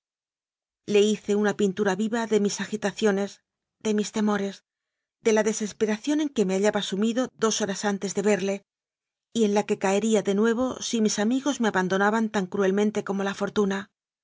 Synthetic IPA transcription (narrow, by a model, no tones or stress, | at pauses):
le̞iθe̞unapint̪uɾaβiβaðe̞misaxit̪aθjo̞ne̞z | ðe̞mist̪e̞mo̞ɾe̞z | ðe̞laðe̞se̞spe̞ɾaθjo̞ne̞ŋke̞me̞aʎaβaːsumiðo̞ðo̞so̞ɾasant̪e̞zðe̞βe̞ɾle̞ | ie̞nlake̞kaeɾiaðe̞nwe̞β̞o̞simisamiɣo̞zme̞aβand̪o̞naβant̪aŋkɾue̞lmẽ̞nt̪e̞ko̞mo̞lafo̞ɾt̪una